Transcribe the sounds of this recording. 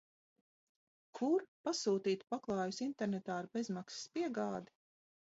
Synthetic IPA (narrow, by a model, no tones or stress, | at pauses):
kʰuɾpasuːt̪iːt̪paklˠɑːjusint̪ɛɾnɛt̪aːɾbezmaksspiɛɡaːd̪i̥